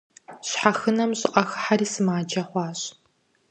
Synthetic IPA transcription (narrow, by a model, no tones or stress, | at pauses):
ɕħaxɨnɐmɕɪqʼɐxħaɾiːsɨmaːd͡ʒɐχʷɑːɕ